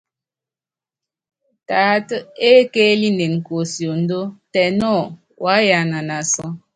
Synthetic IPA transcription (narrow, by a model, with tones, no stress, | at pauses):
taː˨˦tə˦e˦keː˦li˦ne˨nŋ̩˨ko˨sjo˨n̩˦do˦tɛ˨nɔ˦˨ | wa˨˦ja˨na˨na˨sɔ˦